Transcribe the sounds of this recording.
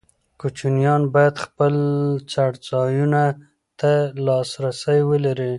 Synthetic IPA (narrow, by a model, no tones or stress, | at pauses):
kut͡ʃunjɑnbɑjad̪xpəlt͡saɽt͡sɑjuna | t̪alɑsɾasəjwəlaɾi